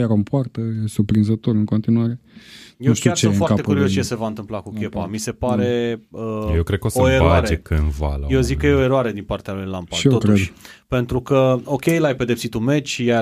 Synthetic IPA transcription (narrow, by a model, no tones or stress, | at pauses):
aɾompoart̪əesurpɾinzət̪oɾɨŋko̞nt̪inuaɾejewuʃkeofoaɾat̪ekuɾiost͡ʃe̞se̞vaɨnt̪ɨmplakukʲe̞pa̰mise̞paɾe̞əjewkɾed̪kəosoeɾoaɾeekɨɨnva̰lajewzikkːəjeoe̞ɾoaɾe̞d̪inpart̪ealujlampaiet̪okɾt̪eʃd̪pe̞nt̪ɾukəo̞kʲe̞jlajpe̞d̪e̞psit̪ume̞t͡ʃʲja